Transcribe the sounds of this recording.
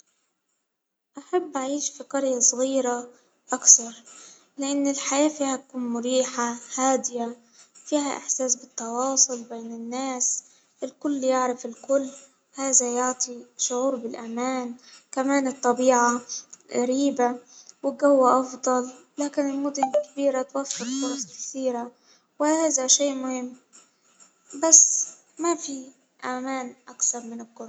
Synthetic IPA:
ʔaħabːʔaʕiːʃfiqɑɾjasˤɣiːɾa | ʔakθɑɾˤ | lɪʔɪnːɪlħajaːfiːhat̪akuːnmʊɾiːħahaːd̪ɪja | fiːɦaʔɪ̰ħsaːsbɪt̪ːɑwɑːsˤʊlbeːnɪnːaːs | ʔɪlkʊlːjɪʕɾɪfɪlkʊlː | haːðajʊʕt̪ˤiʃʊʕuːɾbɪlʔamaːnkamaːnɨt̪ˤːɑbiːʕaɣaɾiːbawɪɡawːaʔɑfd̪ˤɑlː | aːkɪnɪlmʊd̪ʊnkɪbiːɾat̪wafːɪɾfʊɾˤɑsˤɪlkθiːɾa | wɪhaːðaʃeːʔmʊhɪmː | basː | mafi | ʔamaːnʔakθɑɾˤmɪnɪlqʊɾˤɑ

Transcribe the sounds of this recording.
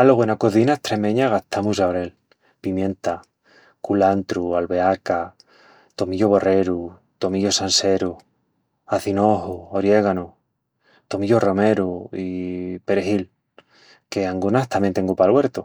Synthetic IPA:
aloɣenakoθinaeht̪ɾemẽɲaɣaht̪ʰamusaoɾe̞l | pimjẽ̞nt̪a | kulant̪ɾualβe̞aka | t̪o̞miʎoβo̞re̞ɾu | t̪o̞miʎo̞sanse̞ɾu | aθinoɦooɾje̞ɣano | t̪o̞miʎoro̞me̞ɾuipe̞ɾeɦil | keaŋɡunaht̪amjent̪eŋɡupalweɾt̪o

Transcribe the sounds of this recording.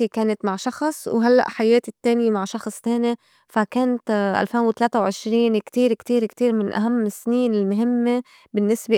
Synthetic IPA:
ikeːnat̪maʕʃɑxsˤwɦalːa̰ʔħajeːt̪it̪ːeːnɪjemaʕʃɑxsˤt̪eːni | fakeːnt̪ʔa̰lfeːnwɪt̪aleːt̪awʕɪʃɾiːnkt̪iːɾkt̪iːɾkt̪iːɾmɪnʔa̰ɦamːɪsniːnɪlmʊɦɪmːe | bɪnːɪsbe

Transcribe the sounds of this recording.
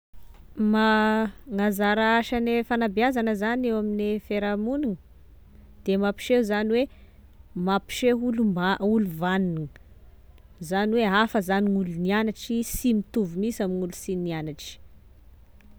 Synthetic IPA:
maŋazaɾaaʃanefanabiazanəzanewaminefeɾamuniŋə | d̪̥emapi̥ʃeuzaniwe | mapi̥ʃeulumauluvaniniŋ | zaniweafəzaniŋulunianaʈ͡ʂisimit̪uvumisamiŋulu̥sinnianaʈ͡ʂi̥

